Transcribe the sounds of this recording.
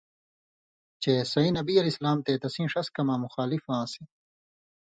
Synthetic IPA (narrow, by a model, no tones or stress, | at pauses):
t͡ɕeːsɐĩnɐbiːɐlislaːmt̪eːt̪ɐsĩːʂɐskɐmãːmuxaːlifãːse